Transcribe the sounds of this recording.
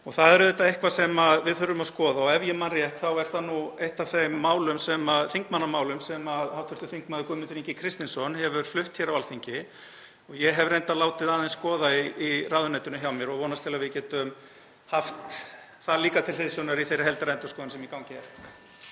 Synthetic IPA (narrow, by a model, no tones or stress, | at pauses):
ɔɣθaðɛɾðɛt̪ːaehkvasɛmaðvɪðθʏɾːʏmaskɔːðaɔɣɛvjɛmanrjɛht̪θawɛɾ̥θanuejht̪avθejmːaːwlʏmsɛmaðθiŋkmanːamaːwlʏmsɛmaðhawt̪ʰʏɾt̪ʏθiŋkmaðʏkɔːmɪnʏɾiɲcɪkʰɾɪst̪ɪnsɔnhɛvʏɾ̥flʏht̪çɛɾawalθiɲcɪ | ɔɣjɛɦɛvɾejnt̪alaːwt̪ɪðaːðɪnskɔːðaiiraːðʏnɛjt̪ʏnʏçjawmjɛɾɔɣvɔːwnast̪ʰɪlavɪcɛːt̪ʏm | haft̪ | θaðliːkat̪ʰɪlθɪðsjownaɾiθejɾɪɦɛlt̪ɪɾɛnt̪askɔːðʏnsɛmikawɲcɪɛɾ̥